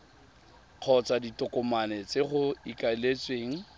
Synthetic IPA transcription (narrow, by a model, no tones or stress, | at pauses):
q͡χʰɔt͡sʼaditʼʊkʼʊmanɛt͡sʼeχʊikʼalet͡sʼweːŋ̩